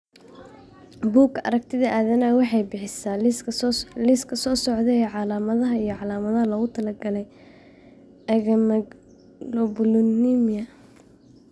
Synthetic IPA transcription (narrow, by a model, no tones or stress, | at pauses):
buːkʰɐ̰ɾɐk̚t̪ʰɪðɐʔaːðɐnaːwɑħɑjbɪħɪsaː | lɪskʰɐsɔːsɔʕðɛɛːʕɑlaːmɐðɐɦɐijɞʕɑlaːmɐðɐɦɐlɐɣʊt̪ʰɐlɐɡɐlɛj | ɛɣɐmɐ | lɔbʊlʊnimɪjɐ